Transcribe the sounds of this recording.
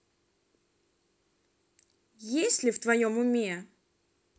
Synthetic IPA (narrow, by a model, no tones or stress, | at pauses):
jesʲlʲɪft̪vɐjomʊmʲe